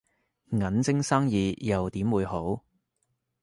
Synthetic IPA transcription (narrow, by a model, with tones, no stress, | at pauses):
ŋɐ˨˥nt͡sɪ˥ŋsaː˥ŋjiː˨˧jɐ˨wt̪iː˨˥mwuː˨˧jɦo˨˥w